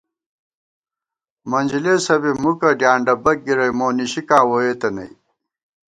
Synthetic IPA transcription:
mɐnʲd͡ʑileːsɐbimukɐɖjaːɳɖɐbɐk̚ɡiɾɐjmoːniɕikaːwoeːt̪ɐnɐ̰j

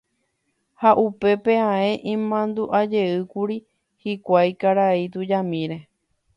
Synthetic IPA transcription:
haʔupe̞pe̞ãẽ̞ʔĩmãnd̪uʔad͡ʒe̞ɨkuɾi | hikʷajkaɾait̪ud͡ʒamĩɾe̞

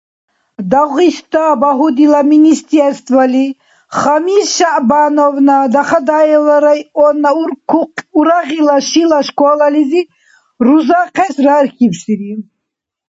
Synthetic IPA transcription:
d̪aʁist̪abaɦud̪ilaminist̪ɛɾst̪vəli | χamisʃaʔbanɔvnad̪aχad̪aɛlaɾajɔnːa | uɾaʁilaʃilaʃkɔlalizi | ɾuzaqʰɛsɾaɾkʰipsiɾi

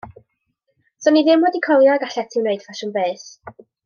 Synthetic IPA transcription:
sɔniðɪmwɛdikʰɔlˠjaɡaɬɛtʰɪwneɨd̥fʰaʃənbeːs

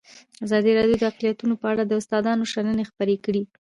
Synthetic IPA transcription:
azɑd̪iɾɑɖjod̪əaqlijat̪unopəaɽad̪əʊst̪ɑd̪ɑnoʃanənexpəɾekɽi

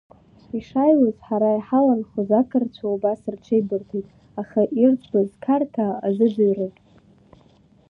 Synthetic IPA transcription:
iʂajwozħaɾaiħalanχuzakʰɨrt͡ɕʷʰaubasɨrʈ͡ʂʰejbɨrtʰetʼ | aχaʔirt͡sʼʰbazkʰartʰaːzɨdɨɥrɨpʼ

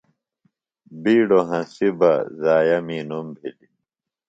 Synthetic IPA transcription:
biːɽoɦɐ̃sibɐzaːjɐmiːnumbʱili

